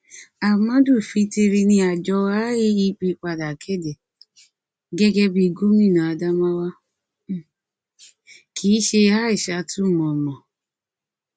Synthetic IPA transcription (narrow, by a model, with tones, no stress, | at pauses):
a˨mã˨˦du˦˨fi˧ti˧ɾi˧nĩ˧a˨d͡ʒɔ˧a˦ji˦i˧˦k͡pi˧k͡pa˧da˨kʰɛ˦˨dɛ˨ | ɡɛ˦ɡɛ˦bi˧ɡu˦mĩ˦˨nã˨a˧da˦mã˦wa˦ | kʰiː˨˦ʃe˧ha˦i˦˨ʃa˧˦tu˦˨mɔ̃˨mɔ̃˨